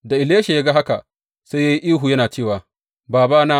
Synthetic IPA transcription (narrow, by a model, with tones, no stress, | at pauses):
da˨ʔɪ˨leː˦ʃe˨ja˦ɡa˦ɦa˦ka˨ | sa˦jaː˦ji˦ʔiː˦ɦu˨jɐ˦naː˨t͡ʃeː˦˨waː˨ | baː˨baː˦naː˦